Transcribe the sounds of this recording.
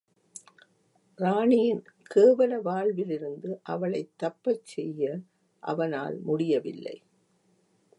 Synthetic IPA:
ɾaːɳɪjɪnkeːʋɐlɐʋaːɭʋɪlɪɾɯnd̪ɯʔɐʋɐɭɐɪt̪ːɐpːɐt͡ʃːɛjːɐ | ʔɐ̰ʋɐna̰ːlmʊɽɪjɐʋɪlːɐ̰ɪ

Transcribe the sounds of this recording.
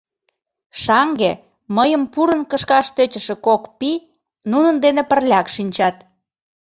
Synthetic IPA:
ʃɑŋɡe | məjəmpuɾənkəʃkɑʃt̪øt͡ɕə̆ʃĕkokpi | nunənd̪enepərlʲɑkʃinʲt͡ɕɑt̪

